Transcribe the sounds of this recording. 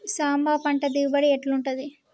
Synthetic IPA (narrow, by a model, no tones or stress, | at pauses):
saːmbaːpɐɳʈɐd̪ibɐɽieʈluɳʈud̪i